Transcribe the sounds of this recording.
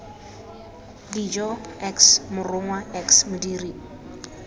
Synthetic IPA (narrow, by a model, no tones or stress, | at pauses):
did͡ʒɔɛksmʊrʊŋwaɛksmʊdiri